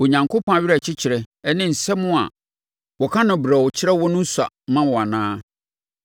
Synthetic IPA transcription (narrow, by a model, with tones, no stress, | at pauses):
o˨ɲã˨ŋkʰo˦pʰɔ̃˦a˨ɥɪ˦ɾɛ˨t͡ɕʰɪ˦t͡ɕʰɪ˨ɾɛ˨ɛ˦nɪ̃˦˨n̩˨sɛ˦mʊ̃˦a̰˨ | wɔ˨kʰã˦nʊ̃˨bɾɛ˨wɔ˨t͡ɕʰɪ˦ɾɛ˦wɔ˦nʊ̃˦n̩˦sa̰˨mã˦wɔ˨a˨nãː˦